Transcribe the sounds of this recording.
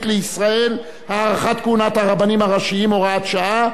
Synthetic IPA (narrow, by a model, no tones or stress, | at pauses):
t̪leisʁae̞l | haːʁaχat̪kunat̪haʁabanimhaʁaʃiimoʁaat̪ʃaʔa